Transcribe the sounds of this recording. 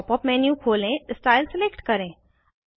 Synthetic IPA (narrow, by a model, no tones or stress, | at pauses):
pɔpmɛːnjũkʰoːlẽsʈaːɪlsɪlekʈkɐɾẽː